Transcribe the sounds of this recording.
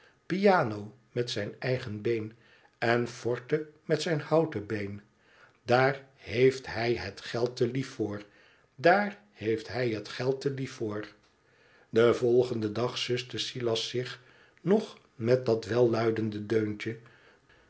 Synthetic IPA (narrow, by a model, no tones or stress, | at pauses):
pijaːnow | mɛtsɛjnɛjχənbejn | ɛnfɔɹtəmɛtsɛjnhɑwtəbejn | daːɹɦejftɦɛjɦətχɛlˠtəlifːʊːɹ | daːɹ | hejftɦɛjɦətχɛlˠtəlifːʊːɹ | dəvɔlˠχəndədɑχsʏstəsilɑsɪχ | nɔχ | mɛt̚dɑtʋɛlˠːœɥdəndədøɥnt͡ʃə